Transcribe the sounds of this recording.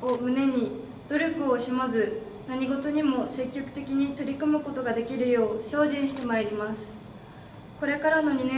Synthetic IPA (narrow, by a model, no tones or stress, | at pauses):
omɯ̟ne̞ɲ̟i | d̪̥o̞ɾʲo̞kɯ̟o̞ɕimazɨ | naɲ̟iɡo̞t̪o̞ɲ̟imo̞se̞kʲːo̞kɯ̟̥t̪e̞kʲiɲ̟it̪o̞ɾʲikɯ̟mɯ̟ko̞t̪o̞ɡad̪e̞kʲiɾɯ̟jo̞ːɕo̞ːʑĩɰ̃ɕi̥t̪e̞maiɾʲimasɨ̥ | ko̞ɾe̞kaɾano̞ɲ̟inẽ